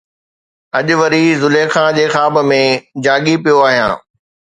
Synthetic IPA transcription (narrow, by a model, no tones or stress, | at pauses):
ɐʄʊʋəɾizʊlexãːd͡ʑeːxaːbmẽd͡ʑãːɠipijoaːɦijã̰ː